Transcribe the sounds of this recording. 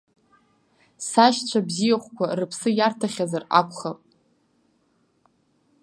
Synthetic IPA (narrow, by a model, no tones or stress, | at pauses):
saʃt͡ɕʷʰabzijaχʷkʷʰarɨpʰsɨjartʰaχʲazara̰kʷʰʼχapʼ